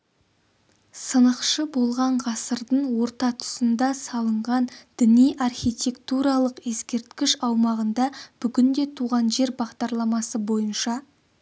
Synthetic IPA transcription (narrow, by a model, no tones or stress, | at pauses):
sənəqʃəbo̞lˠʁɑɴʁɑsəɾd̪əɴwo̞ɾt̪ɑt̪ʰʊ̥sənd̪ɑsɑlˠəɴʁɑnd̪̥ɪnijʔɑrχʲijt̪ʲe̞kt̪uɾɑlˠəqe̞skʲe̞ɾt̪kʲɪʃɑwmɑʁənd̪ɑb̥ʏɡʲɪnd̪e̞t̪ʰuʁɑnʒe̞ɾbɑʁd̪ɑɾlˠɑmɑsəbo̞jənʃɑ